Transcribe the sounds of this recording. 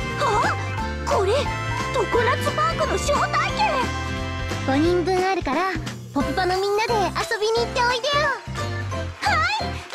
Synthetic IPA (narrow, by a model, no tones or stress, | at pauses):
ha | ko̞ɾe | t̪okɯnat͡sɨbaːkɯnoɕoːt̪aike | ɡ̥o̞ɲ̟ĩmbɯ̟̃ŋaɾɯ̟kaɾa | popɯ̟panomʲĩnːad̪e̞aso̞bʲiɲ̟iːt̪ːe̞o̞it̪ejo | hai